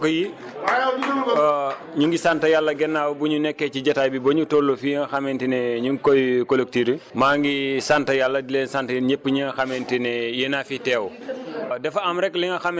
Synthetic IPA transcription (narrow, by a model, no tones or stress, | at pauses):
kɔji | ɲuŋɡisantɐjalːɐɡɛnːaːwbuɲunɛkːɛciɟɐtaːjbiboɲutollofiŋɐxamɛntinɛɲuŋkojkolek̚tiɾimaːŋɡisantɐjalːɐdilɛːnsantɐɲepːəɲiŋɡɐxamɛntinɛjenaːfitɛːw | dɛfɐmɾɛkliŋɡɐxam